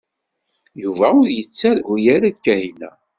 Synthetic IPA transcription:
juvæʊɾjət͡sːæɾʊjæɾaðkæhinæ̰

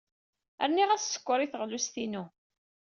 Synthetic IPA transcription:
æ̰ɾniʁæsːə̥kʷːəɾˤiθəʁlust̪inu

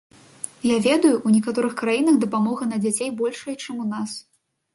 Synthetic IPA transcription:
javʲɛd̪ujuunʲɛkat̪ɔɾɨxkɾajinɐxd̪ɐpamɔɣɐnɐd͡zʲat͡sʲejbɔlʲʂɐjt͡ʂɨmunas

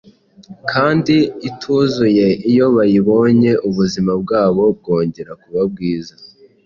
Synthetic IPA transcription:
kʰaːndiːtʰuːzuje̞ijo̞βajiβo̞ːɲe̞ʔuβuzimab̚ɡaːβo̞b̚ɡo̞ːɲɟe̞ɾakuβab̚ɡiːza

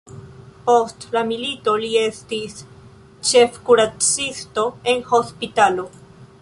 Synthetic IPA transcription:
postlamilito̞lie̞stis | t͡ʃe̞fkuɾat͡sisto̞e̞nho̞spit̪alo

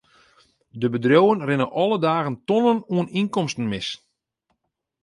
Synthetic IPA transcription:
dəbədrjowənrɪnəʔɔlədaːɣəntɔnənuəninkɔmstən̩mɪs

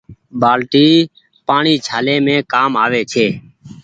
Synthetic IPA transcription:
baːlʈiː | paːɳiːt͡ʃʰaːlẽːmẽːkaːmaːʋeːt͡ʃʰeː

